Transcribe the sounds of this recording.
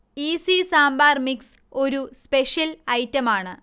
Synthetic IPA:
iːsisaːmbaːrmiks | o̞ɾuspeʂjɐlɐjtːɐmaːɳɨ

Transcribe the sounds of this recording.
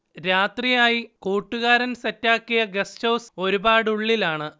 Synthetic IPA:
ɾaːt̪rijaːjikuːʈːuɣaːɾɐnsɐtːaːkːijɐɡɐstɐwso̞ɾubaːɽuɭːilaːɳɨ

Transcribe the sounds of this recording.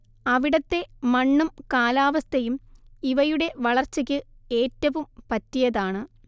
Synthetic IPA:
ɐʋiɽɐt̪ːe̞mɐɳːumkaːlaːʋɐst̪ʰɐjumiʋɐjuɽe̞ʋɐɭɐrt͡ɕːɐk̬ʲːɨe̞ːtːɐʋumpɐtːijɐðaːɳɨ

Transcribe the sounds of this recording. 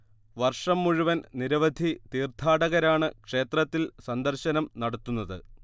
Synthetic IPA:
ʋɐrʂɐmːuɻuʋɐnniɾɐʋɐd̪ʱit̪iːrt̪ʰaːɽɐɣɐɾaːɳɨkʂe̞ːt̪rɐt̪ːilsɐnd̪ɐrɕɐnɐmnɐɽɐt̪ːunːɐðɨ̰

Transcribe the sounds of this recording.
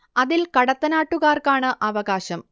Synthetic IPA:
ɐðilkɐɽɐt̪ːɐnaːʈːuɣaːrkaːɳɨʔɐʋɐɣaːɕɐm

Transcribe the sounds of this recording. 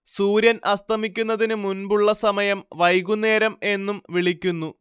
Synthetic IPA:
suːɾjɐnʔɐst̪ʰɐmikʲːunːɐðinɨmunbuɭːɐsɐmɐjɐmʋɐjɡune̞ːɾɐme̞nːumʋiɭikʲːunːu

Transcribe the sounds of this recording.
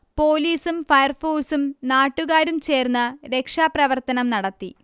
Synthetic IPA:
po̞ːliːsumfɐjɐrfoːsumnaːʈːuɣaːɾumt͡ɕe̞ːrnːɐɾe̞kʂaːprɐʋɐrt̪ɐnɐmnɐɽɐt̪ːi

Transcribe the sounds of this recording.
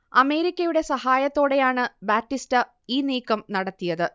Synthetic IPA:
ɐme̞ːɾikʲːɐjuɽe̞sɐhaːjɐt̪ːo̞ːɽe̞jaːɳɨbaːtːistɨ | iːniːkːɐmnɐɽɐt̪ːijɐðɨ

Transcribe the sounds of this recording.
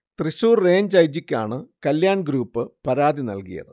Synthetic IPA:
t̪riɕuːrːe̞ːɲd͡ʑɐjd͡ʑikʲːa̰ːɳɨkɐljaːɳɡɾuːpːɨpɐɾaːd̪inɐ̰lkijɐ̰ðɨ

